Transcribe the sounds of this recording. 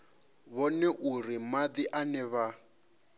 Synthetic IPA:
βɔnɛʔurimadiʔanɛβa

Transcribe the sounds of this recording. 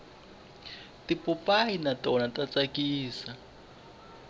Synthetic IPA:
tipʼupʼainatʼɔnatʼat͡sʼakiːsa

